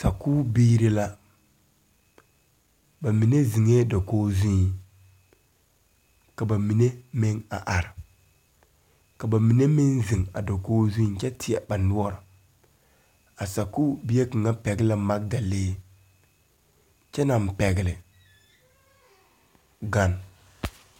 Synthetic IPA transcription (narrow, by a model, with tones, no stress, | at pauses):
sa˨kuː˦biː˦ɾi˦la˦ | ba˨mi˨ne˦zi˨ŋeː˦dɔ˨koː˦zũ˦˨ | ka˨ba˨mi˨ne˦mɪ˦ŋa˨ʔa˨ɾɪ˨ | ka˨ba˨mi˨ne˦mɪ˦nzi˨ŋa̰˨do˨koː˦zũ˦t͡ʃɛ˦tʰɪ˨a˨ba˨nu˦ɔ˦ɾɔ˨ | a˨sa˨ku˦bi˦e˦kɨ˨ŋa˦pɛ˨ɡlɪ˦ma˦k̚da˨leː˦ | t͡ʃɛ˦na˨m˨pɛ˨ɡlɪ˨ | ɡa˦n